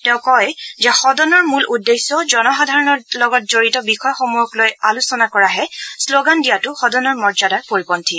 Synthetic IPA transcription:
tɛ̃ʊ̃kɔjzɛxɔdɔnɔɹmulʔudːesːɔzɔnɔxadʱaɹɔnɔlɔɡɔt̚zoɹitɔbixɔjɔxomujɔklojalusɔnakɔɹaɦɛsloɡandijatʊxɔdɔnɔɹmɔɹzadapoɹipɔntʰi

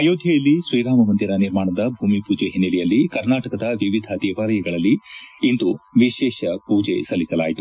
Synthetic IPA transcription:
ɐjoːd̪ʱjɐjɐlːisɾijɾaːmɐmɐnd̪iɾɐniɾmaːɳɐd̪ɐbʱuːmipuːd͡ʒeɦinːɛlɛjɐlːikɐɾnaːʈɐkɐd̪ɐʋiʋid̪ʱɐd̪ɛːʋaːɾɐjɐɡɐɭɐlːiːnd̪uʋiʃɛːʃɐpuːd͡ʒḛsɐlːisɐlaːjit̪u̥

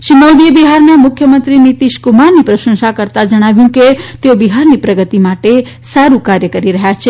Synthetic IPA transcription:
ʃiməwd̪iəbiɦaɾnamʊkʰjəmənt̪ɾinit̪iʃkumaɾnipɾəʃə̃ŋʃakəɾt̪ad͡ʒəɽ̃aʋjũket̪eobiɦaɾnipɾəɡət̪imaʈe | saɾũkaɾjəkəɾiɾəɦjat͡ʃʰe

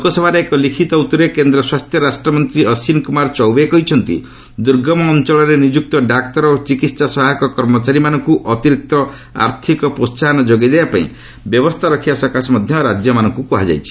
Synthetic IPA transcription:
ukɔsɔbʱaɾeekɔlikʰit̪ɔut̪ɔɾekend̪ɾɔswast̪ʰjɔɾasʈɾɔmɔnt̪ɾiɔsinkumaɾt͡ʃɔwbekɔɦit͡ʃʰɔnt̪ḭ | d̪uɾɡɔmɔːnt͡ʃɔɭɔɾenid͡ʒuk̚t̪ɔɖakt̪ɔɾot͡ʃikit̪sasɔɦaɔkɔkɔɾmɔt͡ʃaɾimanɔŋkuʔɔt̪iɾik̚t̪ɔ | a̰ɾt̪ʰikɔpost͡ʃanɔd͡ʒoɡed̪ebapaḭ̃ | bjɔbɔst̪ʰaɾɔkʰibasɔkasmɔd̪ʱjɔɾad͡ʒjɔmanɔŋkukuɦad͡ʒa̰jt͡ʃʰi̥

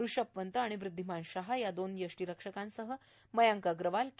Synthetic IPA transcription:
ɾuʂəpʋənt̪əaɽ̃iʋɾud̪ʱːimanɕaɦajad̪onjəʂʈiɾəkʂəkãnsəɦə | məjaŋkaɡɾəʋalk

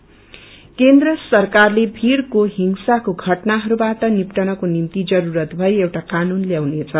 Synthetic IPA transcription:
kend̪rʌsʌrkarlebʱiɾkoɦiŋsakoɡʱʌʈnaɦʌɾubatʌnipʈʌnʌkonimt̪id͡zʌɾuɾʌt̪bʱʌjewʈakanunljawnet͡sʰʌ

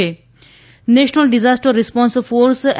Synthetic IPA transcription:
e | neʃnəlɖizasʈəɾːispɔ̃nsfoːɾs

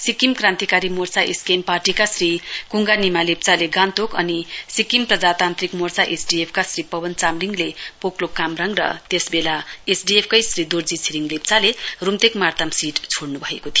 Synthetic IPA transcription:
sikimkrãnt̪ikaɾimort͡saʔḛskemparʈikasrikuŋɡanimalep̚t͡saleɡant̪okʌnisikimprʌd͡zat̪ant̪rikmort͡saʔesɖiepʰkasripʌbʌnt͡samliŋɡlepoklokamrʌŋrʌ̰t̪esbelaesɖiep̚ʰkʌjsrid̪ord͡zit͡sʰiɾiŋɡlep̚t͡salerumt̪ekmart̪amsiʈt͡sʰoɽnubʱʌḛkot̪ʰijo

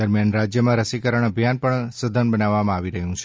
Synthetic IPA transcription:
d̪əɾmjanɾad͡ʒjəmãɾəsikəɾəɳ̃əbʱjanpəɳsəd̪ʱənbənaʋːamãaʋiɾəɦjũt͡ʃʰe

